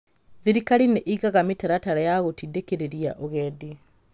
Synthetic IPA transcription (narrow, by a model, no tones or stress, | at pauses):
ðiɾikaɾineʔiɣaɣametɛɾataɾajaɣotidekeɾeɾiaʔoɣɛːdi